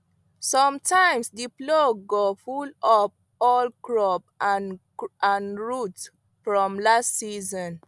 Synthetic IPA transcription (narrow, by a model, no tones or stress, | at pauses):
sɔ̃mtʰãj̃msdiploɡofulɔp̚ | ɔlkɹɔpãn | ʔãnɹut | fɹɔ̃mlastsizɔ̃n